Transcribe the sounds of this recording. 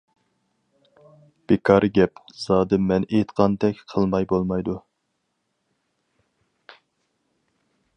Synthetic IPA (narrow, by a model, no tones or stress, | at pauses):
b̥ekʰɑɾʔɨɡʲɛpz̥ɑːd̪ɨmɛnejt̪qʰɑnt̪ɛkʲqʰəlˠmɑjbolˠmɑjd̪u